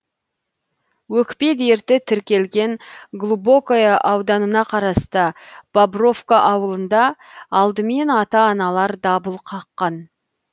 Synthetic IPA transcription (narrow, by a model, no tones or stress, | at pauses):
wɵkped̪e̞ɾt̪ɪt̪ʰɪɾkʲe̞lɡʲe̞ŋɡlˠubo̞kojɑʔɑwd̪ɑnənɑqʰɑɾɑst̪əb̥abro̞fkaʔɑwəlˠənd̪ɑɑlˠd̪əme̞nɑt̪ɑːnɑlˠɑɾd̪ɑbəlˠqʰɑqːɑn